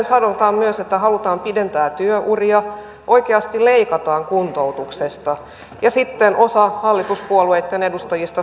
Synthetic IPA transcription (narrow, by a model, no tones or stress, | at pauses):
nsɑnot̪ɑːmmyøset̪ːæɦɑlut̪ɑːmpident̪æːt̪yøʔuriɑ | ʔo̞ikeɑst̪ileikɑt̪ɑːŋkunt̪owt̪uksest̪ɑ | jɑsit̪ːenʔo̞sɑhɑlːit̪uspuolueit̪ːenedust̪ɑjist̪ɑ